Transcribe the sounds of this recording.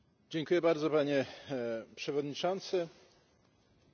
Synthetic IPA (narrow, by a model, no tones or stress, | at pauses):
d͡ʑɛŋkujɛbaɾd̪zɔpaɲɛ | pʂɛvɔd̪ɲit͡ʂɔnt̪sɘ